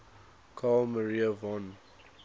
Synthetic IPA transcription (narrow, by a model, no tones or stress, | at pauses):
kʰaːlməɹiəvɔ̃n